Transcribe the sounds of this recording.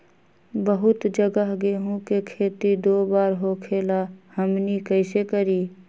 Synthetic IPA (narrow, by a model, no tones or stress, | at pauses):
bəɦʊt̪d͡ʒəɡəɦɡeːɦõkekʰeːt̪id̪oːbaːɾɦokʰeːlahəmnikəɪsekəɾiː